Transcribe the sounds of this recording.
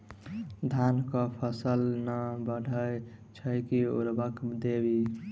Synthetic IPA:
d̪ʱankəpʰəsəlnəbəɽʱəjt͡ʃʰəjkiṵɾbəkd̪ebi

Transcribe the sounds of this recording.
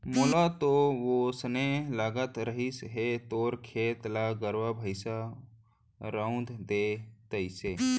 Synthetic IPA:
moːlat̪oʋosənelaːɡət̪ɾəɦisɦet̪oːɾkʰeːt̪laɡəɾʋabʱəɪsa | ɾəʊ̃d̪ʱd̪et̪əɪse

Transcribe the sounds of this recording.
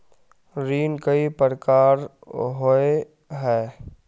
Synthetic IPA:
ɾiːnkɐipəɾkaːɾɦoe | ɦɛː

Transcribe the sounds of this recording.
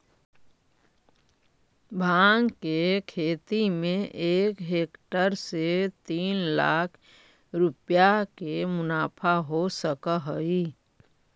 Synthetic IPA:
bʱaːŋɡkekʰeːt̪imẽʔeːkɦeːkʈəɾset̪iːnla̰ːkʰ | ɾʊpjakemʊnaːpʰaɦosəkəɦəi

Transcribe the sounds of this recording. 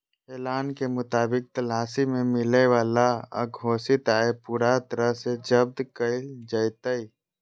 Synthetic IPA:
ɛːlaːnkemʊt̪aːbɪk̚t̪ɐlaːsimẽmɪleʋaːlaa̰ɡʱoːsɪt̪aːepuːɾat̪əɾəɦsed͡ʒəb̚d̪kəɪld͡ʒəɪt̪əi

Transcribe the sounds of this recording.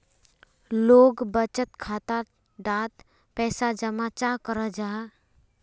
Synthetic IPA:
loːɡbət͡ʃət̪kʰaːt̪a | ɖaːt̪ | pɛːsad͡ʒəmat͡ʃaːkəɾəd͡ʒaː

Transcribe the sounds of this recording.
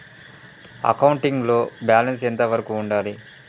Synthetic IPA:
ɐ̰kɐwuɳʈiŋɡlo̞ːbjaːlɐnsent̪ɐʋɐɾɐkuːɳɖaːli

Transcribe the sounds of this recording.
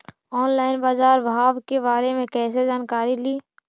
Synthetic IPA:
ɔːnlaːɪnbaːzaːɾbʱaːʋkebaːɾemẽkɛːsed͡ʒaːnkaːɾiliː

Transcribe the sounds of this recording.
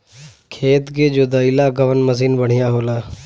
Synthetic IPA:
kʰeːt̪ɡed͡ʒoːd̪əilaːɡəʋənməziːnbəɽ̤ɪjãːɦoːlaː

